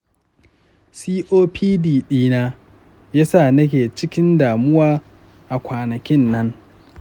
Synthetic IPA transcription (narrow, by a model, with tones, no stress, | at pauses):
siː˦ʔoː˦pʰiː˦diː˨ɗiː˦naː˦ | jaː˦sa˦˨nɐ˦k̬ʲeː˨t͡ʃɪ˦kʲɪ˦ndaː˨mʊ˦waː˦ | ʔa˨kʷaː˨nɐ˨kʲɪ˦nːɐ˦ŋ